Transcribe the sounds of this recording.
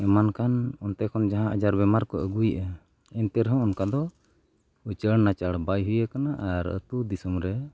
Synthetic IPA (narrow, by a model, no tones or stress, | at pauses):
ɛmankanɔnt̪ɛkʰɔnd͡ʒaɦãəd͡ʒaɾbɛmaɾkɔʔəɡujʔə | ɛnt̪ɛɾɦɔ̃ːnkad̪ɔ | ut͡ʃəɽnat͡ʃaɽbajɦujakanaʔaɾə̰t̪ud̪isɔmɾɛ